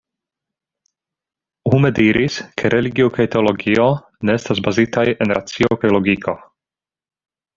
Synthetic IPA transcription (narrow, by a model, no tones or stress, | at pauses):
humediɾʔiskʰe̞ɾʔe̞liɡiokajteolo̞ɡio̞ | neestazbazitaje̞nɾʔat͡siokajlo̞ɡikʰo̞